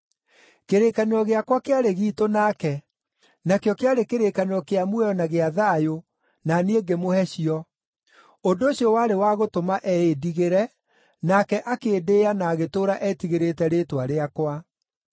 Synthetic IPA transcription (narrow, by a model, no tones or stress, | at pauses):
keɾekaneɾɔɣeakwakeaɾeɣiːtonakɛ | nakjɔkeaɾekeɾekaneɔkeamwɛjɔnaɣeaðajo | nanieŋɡemohɛɕiɔ | ondoːɕiɔwaɾewaɣotomaʔɛediɣeɾɛ | nakɛʔakeːdeːanaːɣetoːɾaʔɛtiɣeɾetɛɾeːtwaɾeakwa